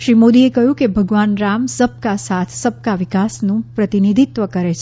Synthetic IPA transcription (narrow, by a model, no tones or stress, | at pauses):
ʃɾimod̪iekəɦjũkebʱəɡʋanɾamsəb̚kasat̪ʰsəb̚kaʋɪkasnũpɾət̪inid̪ʱit̪ʋəkəɾet͡ʃʰe